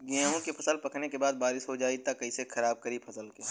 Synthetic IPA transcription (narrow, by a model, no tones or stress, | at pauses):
ɡɛ̃ːɦõkepʰɐsəlpɐknekebaːd̪̚baːɾɪʃɦod͡ʒaːit̪akɐisexʰɐɾaːb̚kɐɾipʰɐsəlkiː